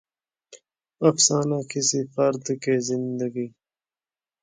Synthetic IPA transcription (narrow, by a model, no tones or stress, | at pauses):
ɐfsaːnakisifʌɾd̪keːzind̪əɡiː